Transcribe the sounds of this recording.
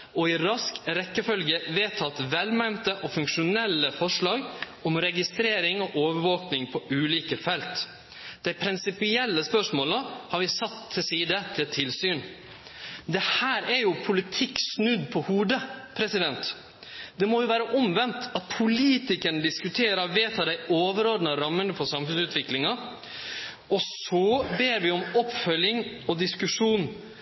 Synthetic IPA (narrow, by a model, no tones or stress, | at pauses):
ɔɪɾɑskɾɛkːəfœlɡəʋeːt̪ʰɑt̪ʋɛlmæɪnt̪əʔɔfʉŋkʂʊnɛlːəfɔʂɭɑːɡ | ɔmɾɛɡɪst̪ɾeːɾɪŋɔʔoːʋəɾʋoːknɪŋpʰɔʉːliːkəfɛlt̪ | d̪̥æɪpʰɾɪnsɪpɪɛlːəspœʂmoːləhɑɾʋɪsɑt̪ʰːɪlsiːd̪ət̪ʰɪlt̪ʰɪlsyːn | d̪ɛhæːɾæɾjʊpʰʊlɪt̪ʰɪksnʉd̪pʰɔhuːd̪əpʰɾɛsɪd̪ɛnt̪ | d̪ɛmɔjʊʋæːɾəʔɔmʋɛnt̪ɑt̪̚pʰʊliːt̪ɪkəɳəd̪ɪskʉt̪ʰeːɾɑʋeːt̪hɑd̪æɪoːʋəɾɔɖ̪nəɾɑmːənəfɔsɑmfʉnsʉːt̪ʋɪklɪŋɑ | ɔsɔbeːɾʋɪɔmɔpfœljɪŋ | ɔd̪ɪskʉʂuːn